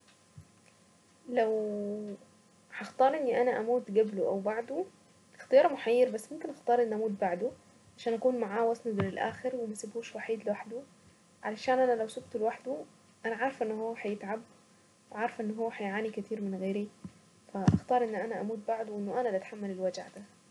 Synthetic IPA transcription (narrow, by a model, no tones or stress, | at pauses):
læw | ħɑxt̪ˤɑːɾˤʔenːiʔænæʔæmuːt̪ɡæbloʔæwbaʕd̪o | ɪxt̪ejɑːɾˤmʊħajːeɾbæsːmomkenʔɑxt̪ˤɑːɾˤʔenːʔæmuːt̪̚baʕd̪o | ʕaʃæːnʔækuːnmaʕaːwæsned̪ɾɪlʔæ̰ːxeɾwemæsɪbhuːʃwaħiːd̪lɪwaħd̪ʊ | ʕalæʃæːnʔænælæwsobt̪lwaħd̪u | ʔænæʕɑɾˤfʔenːʊhowːæħajɪt̪ʕab | weʕɑɾˤfʔenːɦowːæħajʕaːnikæt̪ʰiːɾmɪnɣeːɾi | fæʔɑ̰xt̪ˤɑːɾˤʔenːʔænæʔæmuːt̪̚baʕd̪owʔenːʊʔænælʔæt̪ħamːælelwæd͡ʒa̰ʕd̪æ